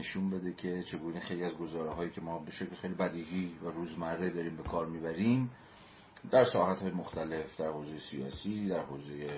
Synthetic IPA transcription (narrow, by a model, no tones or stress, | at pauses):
neʃunbe̞d̪e̞cʰe̞t͡ʃʰe̞ɡuːnexe̞jliæzɡo̞zɒːɾeɦɒːjiːcʰe̞mɒːbe̞ʃeklexejlibæd̪iːɦiːvæɾuːzmæɾːe̞d̪ɒːɾiːmbe̞kʰɒːɾmiːbæɾiːm | d̪æɾsɒ̰ːhæt̪hɒːjemoxt̪ʰæle̞fd̪æɾhoːze̞jesijɒ̰ːsiːd̪æɾhoːze̞je